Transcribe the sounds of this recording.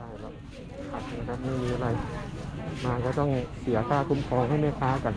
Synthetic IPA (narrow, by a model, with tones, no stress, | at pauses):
aː˧˥˩jlɛ˦˥ | kʰa˨˩t̪̚a˧knkʰa˦˥p̚miː˥˩miː˧˩ʔa˧ɾa˧j | maː˧kɔː˥˩t̪ɔ˥˩ŋsi˨˩˦ɐk̪ʰaː˥˩k̪ʰu˧˦˥mkʰɔː˧ŋha˥˩jmaː˥˩kʰaː˦˥ka˧n